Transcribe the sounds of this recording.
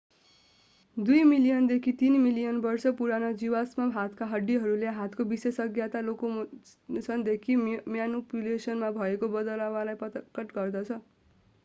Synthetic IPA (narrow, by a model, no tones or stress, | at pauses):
d̪ujmilijʌnd̪ekʰit̪inmilijʌnbʌrsʌpuɾanʌd͡ziwasmaɦat̪ʰkaɦʌɖːiɦʌɾuleɦat̪ʰkobisesʌɡjat̪aloko | sʌnd̪ekʰimjanupjulesʌnmabʱʌekobʌd̪ʌlawalajpʌkʌʈɡʌrd̪ʌt͡sʰʌ